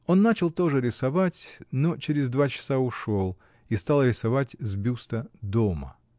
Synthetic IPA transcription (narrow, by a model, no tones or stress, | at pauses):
o̞nːat͡ɕɪlˠt̪o̞ʐɨɾʲɪsɐvatʲnot͡ɕɪɾʲɪzd̪vat͡ɕɪ̥saʊʂo̞lˠ | ist̪alˠɾʲɪsɐvatʲzbʲust̪əd̪omə̰